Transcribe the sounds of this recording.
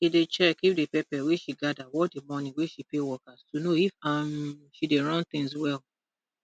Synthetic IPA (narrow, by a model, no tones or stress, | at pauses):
idet͡ʃɛkifdepɛpɛweʃiɡadawɔdemɔ̃nĩweʃipewɔkastunoifamʃideɹɔ̃nt̪ĩŋswɛl